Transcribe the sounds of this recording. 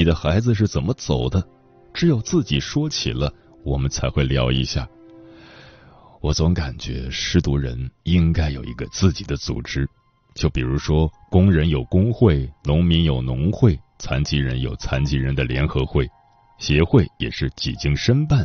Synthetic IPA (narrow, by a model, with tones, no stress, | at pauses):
ni˨˩d̪ə˦xa˧˥ɪd͡zɹ̩˧ʂ̬ɻ̩˥˩t͡sə˨˩nmə˦t͡so˨˩ʊd̪ə˦ | ʈ͡ʂɻ̩˧˥jo˨˩ʊt͡sɹ̩˥˩t͡ɕi˨˩ʂwɔ˥t͡ɕʰḭ˨˩lə˦ | wɔ˨˩mə˦nt͡sʰa˧˥ɪxwe˥˩ɪljɑ˧˥ʊḭ˧ɕja̰˥˩ | wɔ˨˧˩t͡sʊ˧˥ŋka˨˩nt͡ɕɥɛ̰˧˥ʂɻ̩˥t̪u˧˥ɻə̰˧˥ni˥ŋka˥ɪjo˨˩ʊḭ˧˥ɡə̰˧t͡sɹ̩˥˩t͡ɕi˨˩d̪ə˦t͡sṵ˨˩ʈ͡ʂɻ̩˥ | t͡ɕjo˥˩ʊpi˨˩ɻu˧˥ʂwɔ˥kʊ˥ŋɻə˧˥njo˨˩ʊkʊ˥ŋxwe˥˩ɪnʊ˧˥ŋmi˧˥njo˨˩ʊnʊ˧˥ŋxwe˥˩ɪt͡sʰa˧˥nt͡ɕi˧˥ɻə˧˥njo˨˩ʊt͡sʰa˧˥nt͡ɕi˧˥ɻə˧˥nd̪ə˧ljɛ˧˥nxɤ˧˥xwe˥˩ɪ | ɕjɛ˧˥xwe˥˩ɪjɛ̰˨˩ʂɻ̩˥˩t͡ɕḭ˨˩t͡ɕi˥ŋʂə˥npa˥˩n